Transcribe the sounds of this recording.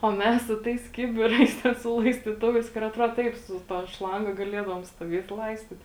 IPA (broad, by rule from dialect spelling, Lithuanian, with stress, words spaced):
oː ˈmʲɛs sʊ ˈtɐɪs ˈkʲɪbʲɪˌrɐɪs ˈtʲɛ sʊ lˠɐɪsʲtʲiːˈtʊʋɐɪs kʊr ɐtˈruɔt ˈtɐɪp sʊ ˈtɐ ˈʃlˠɐŋɡɐ ɡɐˈlʲiɛdɐʋoːm stuɔˈʋʲiɛt ˈlˠɐɪsʲtʲɪt